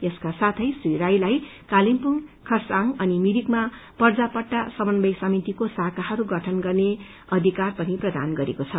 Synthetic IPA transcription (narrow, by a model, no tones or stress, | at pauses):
eskasat̪ʰʌjsiɾajlajkalimpuŋkʰʌrsaŋʌnimiɾikma | pʌrd͡zapʌʈːasʌbʌnbʌjsʌmit̪ikosakaɦʌɾuɡʌʈʰʌnɡʌrne | ʌd̪ʱikarpʌniprʌd̪a̰nɡʌɾekot͡sʰʌ